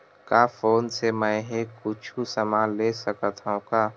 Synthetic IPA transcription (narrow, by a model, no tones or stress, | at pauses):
kaːfoːnsemə̃ɦekʊt͡ʃʰusəmaːlesəkət̪ɦãkaː